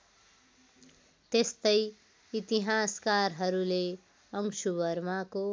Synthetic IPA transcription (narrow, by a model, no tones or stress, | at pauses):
t̪est̪ʌj | it̪iɦaskarɦʌɾule | ʌŋsubʌɾmako